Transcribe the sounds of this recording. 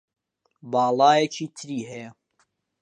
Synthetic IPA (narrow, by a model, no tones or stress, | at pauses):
bɑːlˠɑːjet͡ʃʰiːt̪ʰɨɾiːɦɛjɛ